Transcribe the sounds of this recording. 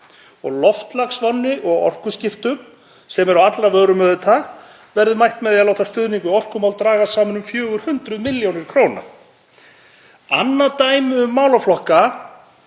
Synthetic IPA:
ɔɣlɔft̪laɣsvanːɪʔɔɣɔ̰r̥kʏscɪft̪ʏm | sɛmɛɾawat̪lavœːɣɾʏmœðʏt̪ʰa | vɛɾðʏmajht̪mɛðialoːwht̪ast̪ʏðniŋkʏɔr̥kʏmawlt̪ɾaːɣasaːmʏnʏmfjœːɣʏɾ̥hʏnt̪ɾʏðmɪljownɪɾ̥kʰɾoːwna̰ | a̰nːat̪aːjmɪʏmːaːwlaflɔhka

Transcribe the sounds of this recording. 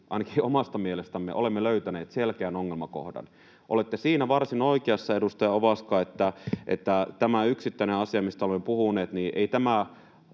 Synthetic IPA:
ʔɑ̰inɑkiomɑst̪ɑmielest̪æmːḛʔolemːeløyt̪æneːt̪selkeænoŋːelmɑko̰hdɑ̰n | ʔolet̪ːesiːnæʋɑrsino̞ikeɑsːɑedust̪ɑjɑoʋɑskɑːet̪ːæʔḛt̪ːæt̪æmæyksit̪ːæineɑsiɑmist̪æolemːepuhuneːt̪niːʔeit̪æmæ

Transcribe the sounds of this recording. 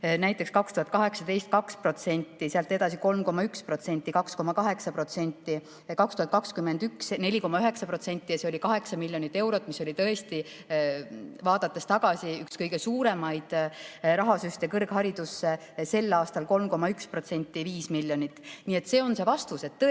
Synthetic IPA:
næjt̪ːˑe̞kskɑkst̪uhɑt̪̚kɑɦe̞ksɑd̪e̞jst̪̚kɑkspro̞t̪se̞nʲt̪ːˑiseɑlt̪ːe̞d̪ɑsiko̞lmko̞mːɑykspro̞t̪se̞nʲt̪ːˑikɑksko̞mɑkɑɦe̞ksɑpro̞t̪se̞nʲt̪ˑːi | kɑkst̪uhɑt̪̚kɑkskymend̪yksne̞lʲiko̞mːɑyɦe̞ksɑpro̞t̪se̞nʲt̪ʲːˑijɑse̞o̞lʲikɑɦe̞ksɑmilʲːjo̞nit̪ːˑe̞wɾo̞t̪ːˑmiso̞lʲit̪ɤ̞est̪i | vɑːd̪̥ɑt̪ːˑest̪ɑɡ̥ɑsiykskɤjɡe̞suːɾe̞mɑjd̪̥ɾɑɦɑsyht̪e̞kɤrɡ̥hɑɾid̪usːe | se̞lːɑːst̪ɑlko̞lmko̞mɑykspro̞t̪se̞nʲt̪ːˑiviːsmilʲːjo̞nʲit̪ːˑniːe̞t̪se̞o̞nse̞vɑst̪use̞t̪ːɤ

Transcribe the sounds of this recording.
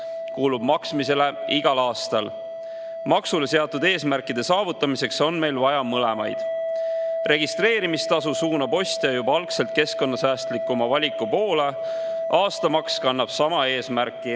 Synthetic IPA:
kuːlub̥mɑksmise̞le̞ʔiɡ̥ɑlɑːst̪ɑl | mɑksule̞se̞ɑt̪ːˑud̪e̞ːsmæɾkˑid̪̥e̞sɑːvut̪ːˑɑmise̞kso̞nme̞jlvɑjɑmɤlemɑ̰jd̪̥ | re̞ɡ̥ist̪re̞ːɾimist̪ɑsusuːnɑpo̞sʲt̪jɑjubɑɑlkse̞lt̪̚ke̞sko̞nːɑsæːst̪likːˑumɑvɑlʲikːˑupo̞ːle̞ | ʔɑːst̪ɑmɑkskɑnːɑb̥sɑmɑe̞ːsmæɾkːˑi

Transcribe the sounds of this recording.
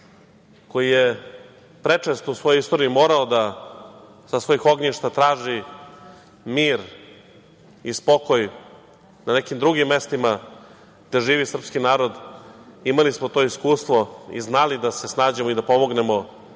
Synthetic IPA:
ko̞jije | pɾet͡ʂest̪ousʋo̞joist̪o̞ɾiimo̞ːɾaod̪a | sasʋo̞jixo̞ɡɲiʃt̪at̪ɾaːʒi | miːɾ | ispo̞koj | nane̞kimd̪ɾuɡimːe̞st̪ima | ɡ̚d̪e̞ʒiːʋisr̩pskinaːɾo̞d̪imalismot̪o̞iskuːst̪ʋo̞ḭznalid̪ase̞snaːd͡ʑemoid̪apo̞moɡne̞mo̞

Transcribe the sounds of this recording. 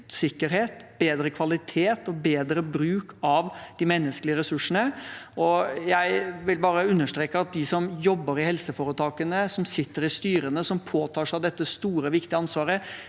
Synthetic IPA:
sɪkːəɾheːt̪b̥eːd̪ɾəkʰʋɑlɪt̪ʰeːt̪ɔbeːd̪ɾəbɾʉːkʰɑʋd̪̥ɪmɛnːəsklɪəɾɛsʉʂən̩əɔjæɪʋɪlbɑːɾəʉnːəʂt̪ɾeːkəɑt̪̚d̪ɪsɔmjɔbːəɾɪhɛlsəfoːɾət̪ʰɑːkənəsɔmsɪt̪ːəɾɪst̪yːɾənəsɔmpʰoːt̪ʰɑːʂæɑʋd̪ɛt̪ːəst̪uːɾəʋɪkt̪ɪəɑnsʋɑːɾə

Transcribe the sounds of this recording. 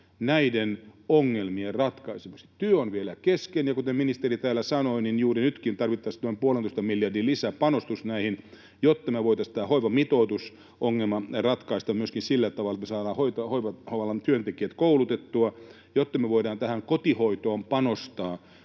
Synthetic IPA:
næidenoŋːelmierɑt̪kɑisemukse̥t̪yøonʋielækeskenjɑkut̪emminist̪erit̪æːlːˑæsɑnoininjuːrinyt̪kint̪ɑrʋit̪ːɑst̪oimpuolenoˑist̪ɑmiljɑrdillisæːpɑnost̪usnæihin | jot̪ːɑmeʋoit̪ɑst̪æːhoiʋɑmit̪oːt̪us | ʔoŋːelmɑrɑt̪kɑist̪ɑmmyøskinsilːæt̪ɑʋɑlɑet̪mesɑːɾɑːhoit̪ɑhoiʋɑhoʋɑlːɑnt̪yønt̪ekiæt̪koulut̪et̪ːuɑ | jot̪ːɑmeʋoidɑːnt̪æhæŋkot̪ihoit̪oːmpɑnost̪ɑː

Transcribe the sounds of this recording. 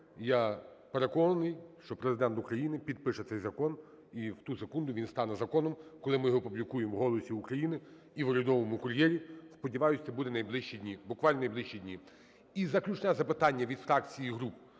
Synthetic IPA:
japeɾe̞kɔnɐnɪjʃt͡ʃɔpɾezɪd̪ɛnt̪ʊkɾɐjinɪpʲid̪̚pɪʃɛt̪sɛjzɐkɔn | iwt̪usekund̪ʊʋʲinst̪ɑnɛzɐkɔnɔmkɔlˠɪmɪjɦɔpublʲikujemwɦɔlˠɔsʲiukɾɐjinɪ | iʋɔɾʲʊd̪ɔʋɔmʊkʊɾʲjɛɾʲispɔdʲiʋɑjʊsʲɐbud̪ɛnɐjblˠɪʃt͡ʃidʲnʲibʊkʋɑlʲnnɐjblˠɪʃt͡ʃidʲnʲi | izɐklʲut͡ʃnɛzɐpɪt̪ɑnʲːɐʋʲid̪fɾɑkt͡sʲijiɦɾup

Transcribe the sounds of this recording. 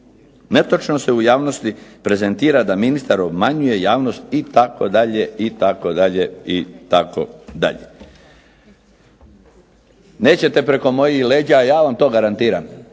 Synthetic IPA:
net̪ot͡ʃnose̞ujaːʋno̞st̪ipɾe̞zent̪iːɾad̪aminist̪aɾo̞bmaɲuje̞jaːʋno̞st̪it̪ako̞d̪aʎeit̪ako̞d̪aʎeit̪ako̰d̪a̰ʎe | ne̞ːt͡ɕe̞t̪e̞pɾe̞ko̞mo̞jixle̞ːd͡ʑaːjaːʋamt̪o̞ːɡaɾant̪iːɾam

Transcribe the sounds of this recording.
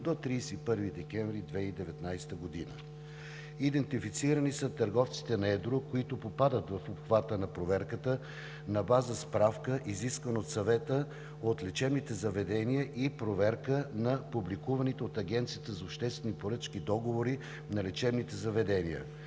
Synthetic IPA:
d̪ot̪ɾiːsɛipɤɾvid̪ɛkʲɛɱvɾid̪vɛid̪ɛvɛt̪najst̪əɡod̪inə̰ | id̪ɛnt̪ifit̪siɾənisət̪ɐɾɡɔft̪si̥t̪ɛnɐɛd̪ɾokoit̪ʊpopad̪ət̪vɐfopxvat̪ənɐpɾovɛɾkət̪ə | nɐbazəspɾafkəʔiziskvənot̪sɐvɛt̪ə | ot̪lɛt͡ʃɛbnit̪ɛzɐvɛd̪ɛnijəʔipɾovɛɾkənɐpublikuvɐnit̪ɛot̪ɐɡʲɛnt̪sijət̪əzɐopʃt̪ɛst̪vɛnipoɾɤt͡ʃkid̪ɔɡovoɾi | nɐlɛt͡ʃɛbnit̪ɛzɐvɛd̪ɛniə̰

